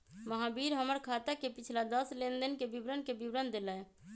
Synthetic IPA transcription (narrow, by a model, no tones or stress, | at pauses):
məɦãbiːɾɦəməɾkʰaːt̪ekepɪt͡ʃʰlad̪əslend̪ənkebibɾənkebiʋɾənd̪elə